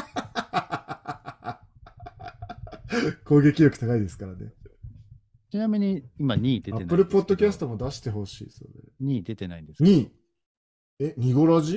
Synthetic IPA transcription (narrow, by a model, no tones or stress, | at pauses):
ko̞ːɡe̞kʲijo̞kɯ̟t̪akaid̪e̞sɨ̥kaɾane | t͡ɕinamʲiɲ̟iimaɲ̟iːd̪e̞tae̞npɯ̟ɾɯ̟po̞d̪ːo̞kʲasɨ̥t̪o̞mo̞d̪aɕi̥t̪e̞ɦo̞ɕḭːso̞̰ɾḛɲ̟iːd̪e̞t̪e̞naĩnd̪esɲ̟iː | eɲ̟iɡo̞ɾaʑi